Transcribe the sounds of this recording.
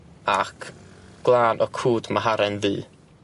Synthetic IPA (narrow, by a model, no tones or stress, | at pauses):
akʰɡ̥lˠaːnʔɔkʰuːdmaɦaɾɛnðɨː